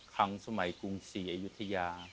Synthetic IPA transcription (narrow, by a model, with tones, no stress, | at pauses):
kʰa˦˥ŋsa˧ma˨˩˦jku˧ŋsiː˨˩˦ʔa˧ju˦˥t̪ʰːa˧jaː˧